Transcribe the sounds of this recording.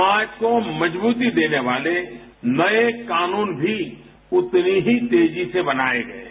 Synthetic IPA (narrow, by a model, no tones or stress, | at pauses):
aːd͡ʒkomɐd͡ʒbuːt̪id̪eːneʋaːle | nɐekaːnuːnbʱi | ʊt̪niɦit̪eːd͡ʒisebɐnaːeɡɐḛ